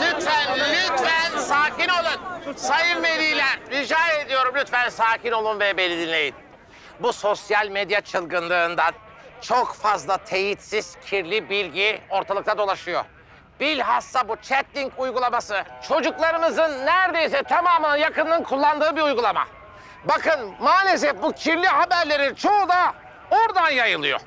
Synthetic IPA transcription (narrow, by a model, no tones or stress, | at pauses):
lʲyt̪fænlʲyt̪fænsaːcino̞lˠunsajɯɾmed̪ijlʲæɾɾid͡ʒaːed̪ijo̞ɾumlʲyt̪fænsaːcino̞lˠunvɛbe̞nʲid̪inlʲe̞jin | buso̞sjalʲmed̪jat͡ʃʰɯlˠɡɯnlˠɯːnd̪an | t͡ʃʰo̞kfazlˠat̪ʰe̞jit̪siz̥cʰiɾlʲibilʲɟio̞ɾt̪ʰalˠɯk̚t̪ʰad̪o̞lˠaʃɯjo̞̰ | b̥ilʲɦasːabut͡ʃʰɛt̪lʲiɲkujɡulˠamasɯt͡ʃʰo̞d͡ʒuklˠaɾɯmɯzɯnːæɾd̪e̞jis̬ɛt̪ʰamaːmɯnɯjakɯnːɯnkʰulˠːand̪ɯːbiujɡulˠama̰ | bakɯnmaːlʲe̞s̬ɛfbucʰiɾlʲiɦabæɾlʲe̞ɾit͡ʃʰo̞ud̪a | oɾd̪anjajɯlˠɯjo̰